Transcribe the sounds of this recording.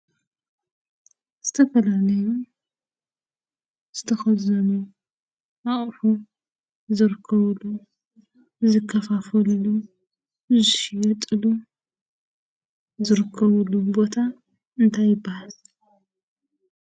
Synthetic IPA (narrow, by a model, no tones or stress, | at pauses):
z̥ɨt̪ʰɐfɐlalɐju | z̥ɨt̪ʰɐxɐzɐnu | ʔaʔʼħu | zɨɾkʰːɐβlu | zɨkʰːɐfafɐlːu | zɨʃjɛt̪ʼɨlu | zɨɾɨkʰːɐβɨlːubo̞t̪ʰa | ɨnt̪ʰajɪbːahal